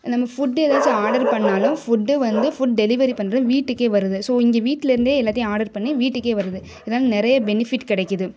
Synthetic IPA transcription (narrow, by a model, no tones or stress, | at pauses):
nɐmːɐfʊɖelaːt͡ʃːɯaːɽɐɾpɐɳːaːlʊ̃fʊɖːɯʋɐnd̪ɯfʊɖ̚ɖɛlɪʋɐɾipɐɳnːɾɐ̃ʋiːʈːɯkːeːʋɐɾɯðɯsoːɪŋɡɐʋiːʈːɪlɪɾɯnd̪eːɛlːaːt̪ɪjʊ̃aːɽɐɾpɐɳːiʋiːʈːɯkːeːʋɐɾɯðɯ | ɪðɐnaːlɐnɪɾɐjɐbɛnɪfɪʈːkɪɽɛɪkːɯðɯ